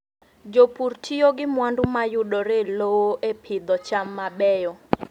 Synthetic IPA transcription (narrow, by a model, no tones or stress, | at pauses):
d͡ʒopurtʰijoɡɪmwandʊmajʊɗoɾelowoʔepʰɪd̪ɔt͡ʃamːabɛjɔ